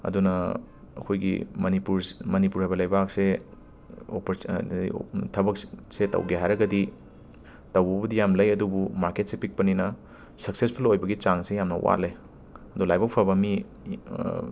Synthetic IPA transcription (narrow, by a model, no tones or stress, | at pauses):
ɐ̰dunɐ | ɐ̰kʰojɡḭmɐnipuɾmɐnipuɾhajbɐlɐjbak̚se | o̰pɾḭtʰɐbɐk̚setɐ̰wɡeɦajɾɐɡɐdi | tɐwbɐbɐdijamlɐjɐdubumaɾket̚sepik̚pɐninɐ | sɐk̚sespʰulojbɐɡit͡ʃaŋsejamnɐ̰wʔa̰lej | ɐdulajbɐkpʰɐbɐmi